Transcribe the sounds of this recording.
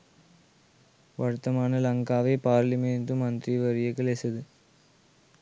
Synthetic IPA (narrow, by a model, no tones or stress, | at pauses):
ʋɐɻɯt̪ːɐmaːnɐlɐŋɡaːʋɐɪpaːɾlɐmeːnt̪ɯmɐnd̪ɾiʋɐɾɪjɐkːɯlɛsɐðɯ